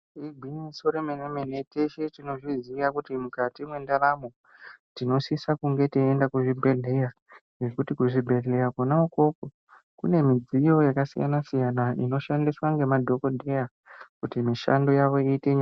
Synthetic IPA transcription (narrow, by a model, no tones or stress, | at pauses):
iɡʱwinisoɾemenemenete̞ʃetino̞ʐiziiʋakutimukatimwe̞ndaɾamo̞ | tino̞sisakuŋɡe̞tiendakuʐibʱe̞ɮe̞ja | ʐekutikuʐibʱe̞ɮe̞jakonauko̞po | kṵne̞mid͡zijo̞jakasḭja̰nasijanaḭno̞ʃandiswaŋɡe̞madʱo̞kodʱe̞ja | kutimiʃa̰ndo̞jaʋo̞iːte̞ɲ